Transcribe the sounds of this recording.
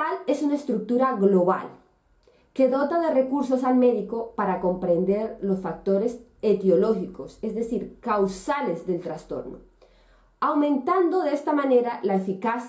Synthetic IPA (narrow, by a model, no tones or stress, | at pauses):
ale̞sunaest̪ɾuk̚t̪uɾaɣlo̞βa̰l | ke̞ðo̞t̪aðe̞re̞kuɾso̞salme̞ðiko̞paɾako̞mpɾe̞nd̪e̞ɾlo̞sfak̚t̪o̞ɾe̞set̪jo̞lo̞xiko̞se̞zðe̞siɾkawsale̞zðe̞lt̪ɾast̪o̞̰ɾno̰ | awmẽnt̪and̪o̞ðeest̪amãne̞ɾalaefikas